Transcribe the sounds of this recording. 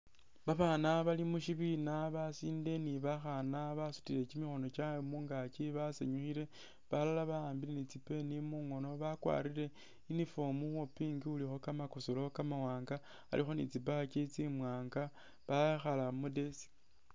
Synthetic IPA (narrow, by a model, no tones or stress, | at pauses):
βaβaːnaβalimuʃiβinaβasiːnde̞niβaxanaβasu̥tiɾe̞t͡ʃimixo̞no̞t͡ʃamuːŋɡat͡ʃiβasḛɲuxile̞ | βalalaβaaːmbilenit͡sipe̞nimuŋo̞no̞βakwa̰ːɾiɾe̞ | inifomuxopiːŋɡiulixo̞kamakosolo̞kamawaːŋɡa | a̰lixo̞nḭt͡sip̬axat͡ʃet͡simwaːŋɡa | βajxalamude̞si̥